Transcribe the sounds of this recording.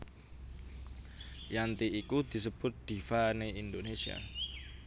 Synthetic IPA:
jant̪iikud̪̥i̤səb̥ʊt̪̚d̪̥ifaneind̪onesia̰

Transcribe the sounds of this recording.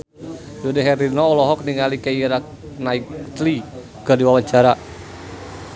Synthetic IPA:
d͡ʒɔdɛɦɛɾinɔːlɔɦɔk̚niŋalikaiɾak̚ | naikt̪li | kədiwawaɲt͡ʃaɾa

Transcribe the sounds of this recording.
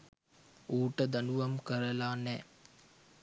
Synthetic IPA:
uːʈəd̪ɐnuʋɐmkəɾɐlaːnɛ

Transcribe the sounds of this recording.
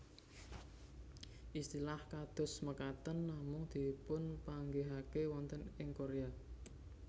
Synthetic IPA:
ʔist̪ilahkad̪̥ʊ̤sməkat̪ənːamʊŋd̪̥i̤pʊnpaŋɡeɦakewɔnt̪ənɪŋkoɾea

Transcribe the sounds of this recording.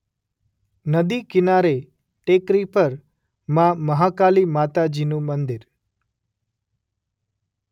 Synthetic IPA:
nəd̪ikɪnaɾe | ʈekɾipəɾ | mãməɦakalimat̪ad͡ʒinũmənd̪ɪɾ

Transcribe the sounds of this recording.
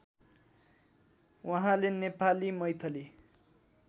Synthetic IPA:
wʌɦãlenepalimʌjt̪ʰʌli

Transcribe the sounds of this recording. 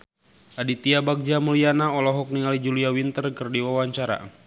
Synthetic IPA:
ʔadit̪iabak̚d͡ʒamulianaɔlɔɦɔk̚niŋalid͡ʒuliawint̪ərkɨrdiwawaɲt͡ʃaɾa̰

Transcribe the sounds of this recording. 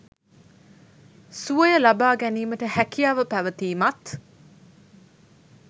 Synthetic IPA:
suəjəlabaːɡæniːməʈəhækijaːʋəpæʋət̪iːmat̪

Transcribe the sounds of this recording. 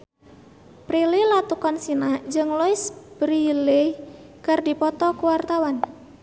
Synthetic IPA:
pɾililat̪ukɔnsinad͡ʒɨŋlɔisb̥ɾilikardipɔt̪ɔkuwart̪awan

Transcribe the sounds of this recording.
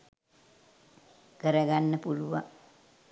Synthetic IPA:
kəɾɐɡanːəpuluʋa̰ŋ

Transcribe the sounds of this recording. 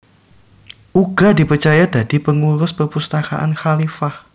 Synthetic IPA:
ʔuɡ̥a̤di̤pərt͡ʃajad̥a̤d̥ipəŋuɾʊspərpust̪akaʔa̰nxalifah

